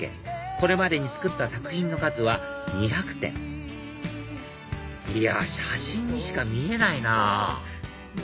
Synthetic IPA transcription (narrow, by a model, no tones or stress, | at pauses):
ḛ̃ko̞ɾe̞mad̪e̞ɲ̟it͡sɨ̥kɯ̟t̪ːasakɯ̟̥çʲĩnːo̞kazɨβaɲ̟içakɯ̟̥t̪ḛ̃ŋ | ia̰ɕaɕĩɲ̟ːiɕi̥kamʲie̞naina